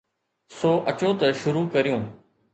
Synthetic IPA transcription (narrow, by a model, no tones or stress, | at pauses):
soːʔɐt͡ʃoːt̪ɐʃʊɾuːkɐɾijũː